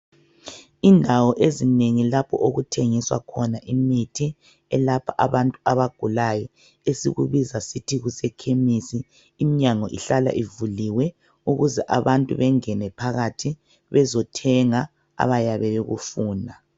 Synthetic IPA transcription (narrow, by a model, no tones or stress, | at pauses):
indʱawɔʔezineŋilapʰɔ̰ʔoɣutʰeŋiswa̰kʰɔnaʔimitʰi | ɛlapʰaʔaβantʼuaβaɡ̥ʱulajɔ | esiɣṵβizasitʰiɣusɛkʰemisiː | miɲaŋɔʔiɬala̰ʔivuliwɛ | uɣuzɛʔaβantʼṵβɛŋɛnɛpʰaɣatʰi | βɛzɔtʰɛŋa | a̰βajaβɛβeɣṵfuːndʱa